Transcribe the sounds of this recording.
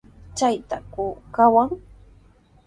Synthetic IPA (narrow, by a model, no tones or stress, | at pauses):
t͡ʃajt̪akʊkawaŋ